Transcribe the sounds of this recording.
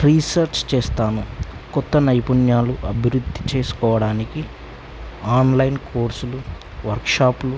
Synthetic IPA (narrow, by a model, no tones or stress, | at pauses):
ɾiːsɐɾt͡ʃt͡ʃeːst̪aːnukɔt̪ːɐnɐjpunjaːluʔɐbʱiɾud̪ʱːi̥t͡ʃe̞ːsu̥kɔːʋɐɽaːniki | aːnlɐjnkʰoːɾsulu | ʋɐɾkʂaːplu